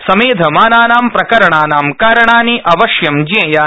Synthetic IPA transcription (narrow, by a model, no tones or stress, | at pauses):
sɐmeːd̪ʱɐmaːnaːnaːmpɾɐkɐɾɐɳaːnaːmkaːɾɐɳaːniʔɐʋɐʃjɐmd͡ʒiɐ̃jaː